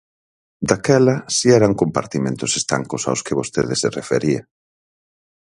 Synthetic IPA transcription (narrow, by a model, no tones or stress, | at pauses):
d̪akɛlɐsiɛɾɐŋkompa̰ɾt̪imẽnt̪ʊsest̪a̰ŋkʊsa̰wskɪβost̪ḛðɪserefḛɾia